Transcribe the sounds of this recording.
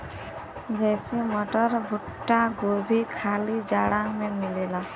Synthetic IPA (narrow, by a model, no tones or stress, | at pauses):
d͡ʒɛseməʈəɾbʱʊʈːaɡobʱikʰaːlid͡ʒaːɽãmẽmɪleːlaː